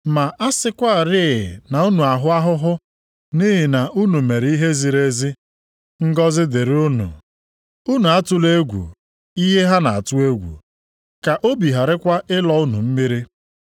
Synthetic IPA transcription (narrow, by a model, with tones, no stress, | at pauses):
ma˨ʔa˦sɪ˦kʷa˦˨ɾɪ˦˨na˨u˦nu˨a˨ɦʊ˦a˦ɦʊ˦ɦʊ˦ | ni˦ɦɪ˨na˨ʔu˦nu˨me˨ɾi˦ɦe˦zi˨ɾe˦zi˦ | ŋ̩˦ɡɔ˦zɪ˦de˨ɾʊ˦nṵ˨ | u˦nu˨a˦tʊ˦le˦ɡʷṵ˨ | i˦ɦe˦ɦa˦na˨a˨tʊ˦e˦ɡʷṵ˨ | ka˨ʔo˦bi˨ɦa˨ɾɪ˦kʷa˦ʔɪ˦lɔ˦ʊ˦nṵ˨m̩˦mi˦ɾi˦